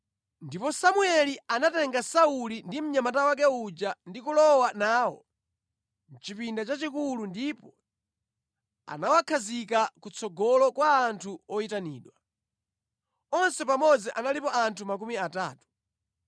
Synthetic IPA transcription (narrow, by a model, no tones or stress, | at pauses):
ndipɔsamuɛlianatɛŋɡasaulindim̩ɲamatawak̬ɛud͡ʒandikulɔwanaːwɔ̰ | n̩t͡ʃipindat͡ʃat͡ʃikulundipɔ | a̰nawakʰazikakut͡sʰɔɡɔlɔkwaːntʰuɔitanḭːɗwa | ɔnsɛpamɔd͡ziʔanalipɔʔantʰumak̬umiataːtu̥